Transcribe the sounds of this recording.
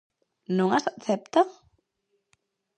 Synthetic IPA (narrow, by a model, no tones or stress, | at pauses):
nõŋasθɛp̚t̪a